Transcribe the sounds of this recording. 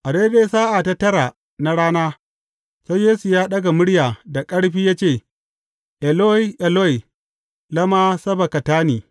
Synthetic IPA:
ʔa˨ɽe˦de˦˨˦saː˦ʔa˨ta˦tɐ˦ɾa˨ | na˦ɽaː˦naː˦ | sa˦jjeː˦su˨jaː˦ɗɐ˦ɡa˨mʊ˦ɽjaː˨da˨kʼɐ˦ɽɸiː˦jaː˦t͡ʃeː˦˨ | ʔɛ˨lo˦i˦ʔɛ˨lo˦i˨ | lɐ˦maː˦sɐ˦ba˨kɐ˨taː˦niː˨

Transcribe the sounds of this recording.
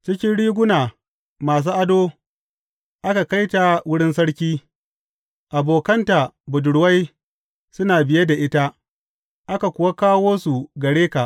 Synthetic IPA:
t͡ʃɪ˦kʲɪ˦nɽiː˦ɡʷʊ˦naː˨ | maː˨s̬uː˦ʔa˦doː˦ | ʔa˦ka˨ka˦jta˨wʊ˦ɽɪ˦nsɐ˦ɽkʲiː˦ | ʔa˨boː˨kɐ˦nta˨bʊ˨dʊ˨ɽwa˦j | sʊ˦naː˨bɪ˨je˦da˨ʔɪ˦ta˦ | ʔa˦ka˨kʷʊ˨wa˦kaː˦woː˦su˨ɡɐ˨ɽeː˦ka˨ʔ

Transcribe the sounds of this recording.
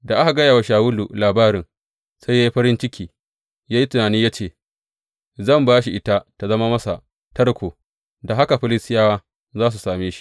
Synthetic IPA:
da˨ʔa˦ha˨ɡɐ˦jaː˨wa˨ʃaː˨wʊ˦lṵ˨laː˨baː˦ɾɪ˨ŋ | sa˦ja˦ji˦ɸɐ˦ɾɪ˦nt͡ʃɪ˦kʲiː˨ | jaː˦ji˦tʊ˨naː˨niː˦ja˦t͡ʃeː˨ | zɐ˦˨mbaː˦ʃi˨ʔɪ˦ta˦ta˨zɐ˦ma˦mɐ˦sa˨ | tɐ˦rkʷoː˨ | da˨ɦa˦ka˨ɸɪ˦lɪ˦sɪ˦jaː˦waː˦ | zaː˦s̬u˨saː˨meː˦ʃi̥˦

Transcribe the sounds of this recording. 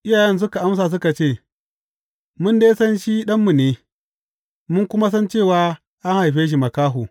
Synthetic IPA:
ʔɪ˦jaː˨jɛ˦ns̬ʊ˦ka˨ʔa˦ms̬aː˨s̬ʊ˦ka˨t͡ʃeː˦˨ | mʊ˦ndeː˦sɐ˦nʃi˦ɗɐ˦mːu˨neː˨ | mʊ˦ŋkʷʊ˦ma˦s̬ɐ˦nt͡ʃeː˦˨waː˨ | ʔa˦ŋha˨jɸeː˦ʃ̬i˨mɐ˨kaː˦ɦuː˨

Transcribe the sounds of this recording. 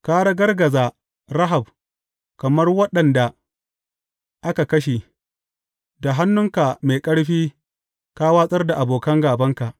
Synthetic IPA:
kaː˦ɽɐ˦ɡɐ˦rɡɐ˨zaː˨ | ɾa˦ɦa˨b̚ | kɐ˨mɐ˦rwɐ˦ɗɐ˨nda˨ | ʔa˦ka˨kɐ˦ʃi˨ | da˨ɦa˦nːʊ˦ŋka˨me˨kʼɐ˦ɽɸiː˦ | kaː˦waː˦sʼɐ˦rda˨ʔa˨boː˨kɐ˦ŋɡaː˨bɐ˦ŋka˨ʔ

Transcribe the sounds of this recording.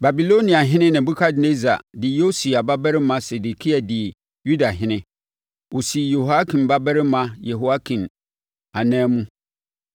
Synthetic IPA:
ba˨bi˨lo˦nĩ˨a˨ɦɪ̃˦nɪ̃˦nɪ̃˨bu˦kʰa˦dne˦za̰˨dɪ˨jo˦si˨a˨ba˦bɛ˦ɾɪ˦mã˦sɛ˨du˨kʰi˦a˨dɪ˨ | ju˦da˨ɦɪ̃˦nɪ̃˦ | ʔo˨si˨jo˨ha˦kʰĩ˨mba˦bɛ˦ɾɪ˦mã˦je˨ɦo˨a˦kʰĩ˨m | a˨nɛ̃ː˦mũ˦

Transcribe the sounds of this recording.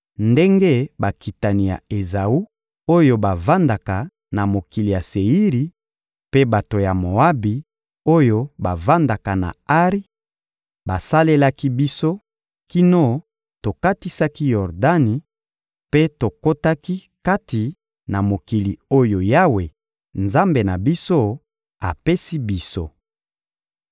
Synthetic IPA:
nde˦ŋɡe˦ba˨ki˨ta˨ni˨ja̰˨e˨za˨u˦ | o˦jo˦ba˨va˦nda˨ka˨ | na˨mo˨ki˨li˨ja˨se˨i˦ʁi˨ | pe˦ba˨to˨ja˨mo˨a˦bi˨ | o˦jo˦ba˨va˦nda˨ka˨na̰˨a˦ʁi˦ | ba˨sa˦le˦la˦ki˦bi˦so˦ | ki˦no˦ | to˨ka˦ti˦sa˦ki˦jɔ˨ʁda˦ni˨ | pe˦to˨ko˦ta˦ki˦ | ka˦ti˨ | na˨mo˨ki˨li˨o˦jo˨ja˦we˨ | nza˦mbe˨na˨bi˦so˦ | a˨pe˦si˦bi˦so̰˦

